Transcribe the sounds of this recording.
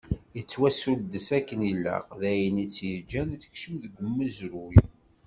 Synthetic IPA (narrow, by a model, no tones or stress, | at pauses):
jət͡sːwæsuld̪əsækːənilːæ̰ʁðæjənit͡sːjəɾd͡ʒænθə̥çʃəmðəɡəmːəzɾʊj